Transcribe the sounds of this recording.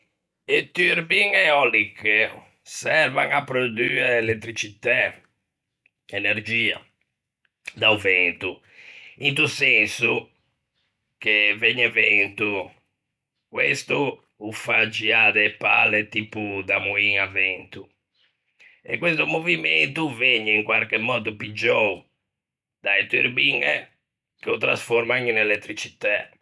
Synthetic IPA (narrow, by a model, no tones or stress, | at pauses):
et̪yɾbiŋɛɔlikːe | sɛɾvaŋapːɾod̪yːɛlet̪ːɾit͡ʃit̪ɛ | ɛneɾd͡ʒiːa̰ | d̪auvɛnt̪u | int̪usɛnsu | k̟evɛɲːɛvɛnt̪u | kwest̪uː | fad͡ʒiaðɛpa̰lɛt̪iːpud̪amuiŋavɛnt̪u | ɛ̰kːwest̪umoviment̪uveɲːɛiŋkwaɾkɛmːɔːd̪upid͡ʒːɔ | d̪ait̪ṵɾbiŋɛ̰ | k̟eut̪ɾa̰sfɔɾmaŋinɛlɛt̪ːɾit͡ʃit̪a